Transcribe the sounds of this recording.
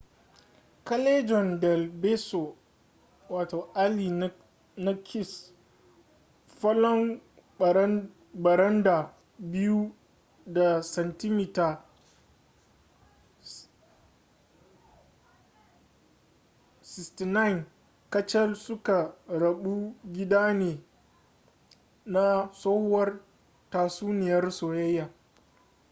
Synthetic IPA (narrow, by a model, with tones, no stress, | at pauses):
kɐ˦le˦d͡ʒɔ˨ndɛ˨lbe˦so˨ | waː˨to˨ʔa˦li˨˦ | na˦kʲʰɪ˦˨s | ɸɐ˦lɔ˦ŋ˨˦ | bɐ˨ɾɐ˦nda˨ | bɪ˦ju˦ | da˨sɛ˨nti˦mi˨ta˨ | sɪ˨sti˨na˦jn | kɐ˦t͡ʃɛ˦lsʊ˦ka˨ɾɐ˨ɓu˦ɡʲɪ˦daː˦neː˨ | na˦soː˦hwɐ˦r | taː˨suː˦nɪ˨jɐ˦rsoː˨jɐ˦jːaː˨